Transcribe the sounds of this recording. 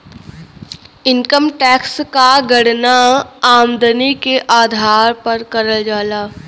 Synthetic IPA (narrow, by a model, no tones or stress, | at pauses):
ɪŋkəmʈɛːkskaɡəɽnaaːmd̪ənikeʔaːd̪ʱaːɾpəɾkəɾəld͡ʒaːlaː